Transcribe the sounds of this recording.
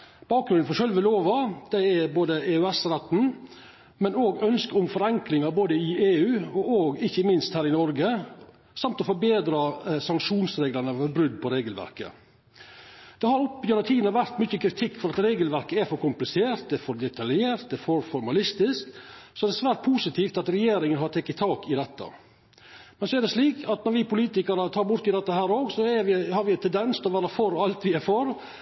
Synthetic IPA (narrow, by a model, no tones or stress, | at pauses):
b̥ɑːk̚ɡɾʉnd̪̩fɔɾʂœlʋəloːʋɑd̪ɛɛboːd̪əeːʉɛsɾɛt̪ːn̩ | mɛnoːɡœnskəʊmfɔɾɛŋklɪŋɑɾboːd̪əɪʔeːʉːɔoːɡɪçːəmɪnst̪hæːɾɪnɔɾɡə | sɑmt̪ɔfɔɾbeːd̪ɾɑsɑŋkʂuːnsɾeːɡlɑnəʋœbɾʉd̪ːpʰɔɾeːɡəlʋæ̰ɾkə̰ | d̪̥ɛhɑɾʊpːjʉnɑt̪ʰiːd̪nəʋæɾt̪mʏçːəkʰɾɪt̪ʰɪkːfɔɾɑt̪ɾeːɡəlʋæɾkəæɾfɔɾkʊmplɪseːɾt̪̚d̪ɛɛɾfɔɾd̪ɛt̪ʰɑljeːɾt̪̚d̪ɛfɔɾfɔɾmɑlɪst̪ɪsksɔɛd̪ɛsʋæːɾʈ̪̚pʰuːsɪt̪ʰiːft̪ɑt̪ɾɛjeːɾɪŋənɦɑʈ̪ʰɛkːɪt̪ʰɑːkɪd̪ɛt̪ːə̰ | mɛnsɔɛɖ̪ɛʂɭiːkʰɑt̪nɔɾʋɪpʊliːt̪ɪkɑɾət̪ʰɑːɾbʊɾt̪ɪd̪ɛt̪ːəhæːɾoːɡsɔɛʋɪhɑɾʋɪt̪ʰɛnd̪ɛnst̪ʰɔʋæːɾəfɔɾɔɑlt̪ʋɪæɾfɔɾ